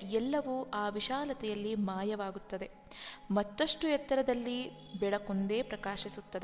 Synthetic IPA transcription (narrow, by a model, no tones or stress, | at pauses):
ɛlːɐʋuʔaːʋiʃaːlɐt̪ɛjɐlːimaːjɐʋaːɡut̪ːɐd̪e̞ | mɐt̪ːɐʂʈujɛt̪ːɐɾɐd̪ɐlːi | bɛɭɐkond̪e̞ːpɾɐkaːʃisut̪ːɐd̪e